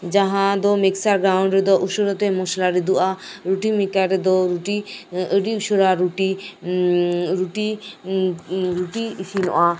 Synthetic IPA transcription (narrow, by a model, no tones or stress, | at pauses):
d͡ʒaɦãd̪ɔmeksaɾɡɾawɳɖɾed̪ɔʔuʃoɾɔt̪emɔʃlaɾid̪uʔaɾuʈimikaɾed̪ɔɾuʈiəɖiuʃoɾaɾuʈi | ɾuʈi | ɾuʈiiʃinɔ̰ʔa